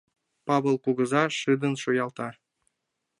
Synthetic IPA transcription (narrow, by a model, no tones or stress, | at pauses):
pɑβɤ̆lˠkuɡɤ̆zɑʃɨd̪ə̆nʃujɑlˠt̪ɑ